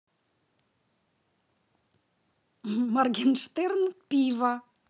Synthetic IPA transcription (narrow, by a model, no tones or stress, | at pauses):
marɡʲenʃt̪eɾnpiva